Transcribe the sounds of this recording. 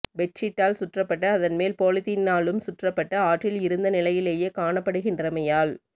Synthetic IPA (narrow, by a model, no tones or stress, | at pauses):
ʋɛt͡ʃːɪʈːaːlsʊʈrɐpːɐʈːɐːðɐnmeːlpoːlɪt̪ːɪnːaːlɯmsʊʈrɐpːɐʈːɐaːʈːɪlɪɾɯnd̪ɐnɪlɐjɪleːjeːkaːɳɐpːɐɽɯɣɪndrɐmɐjaːl